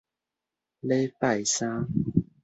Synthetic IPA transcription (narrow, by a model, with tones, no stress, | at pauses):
le˦jpa˥˨jsã˦